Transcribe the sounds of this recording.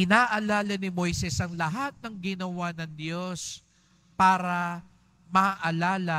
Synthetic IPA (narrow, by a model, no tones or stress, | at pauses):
ʔɪnaːʔɐlaːlɐnɪmo̞jsɛsɐŋlɐɦat̪̚nɐŋɡɪnɐwanɐŋd̪jo̞s | paːɾɐ | mɐʔɐlaːlɐ